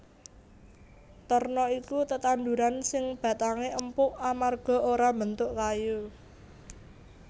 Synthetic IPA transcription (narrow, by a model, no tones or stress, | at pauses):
t̪ɔrnɔikut̪ət̪and̪uɾansɪŋb̥ä̤t̪aŋeʔəmpʊʔamarɡ̥ɔ̤oɾambənt̪ʊʔkaju